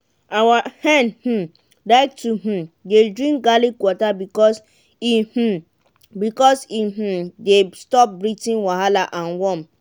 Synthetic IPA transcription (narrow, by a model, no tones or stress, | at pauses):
awahɛ̃nh̩ | laɪk̚tuɦ̩dedɹĩŋk̚ɡalikwɔtabikɔs | ih̩ | bikɔsiɦ̩destɔp̚bɹitĩnwaɦalaʔãnwɔ̃m